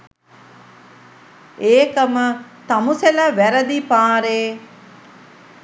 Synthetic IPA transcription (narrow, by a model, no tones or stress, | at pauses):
eːkəmət̪amuseləʋæɾəd̪ipaːɾeː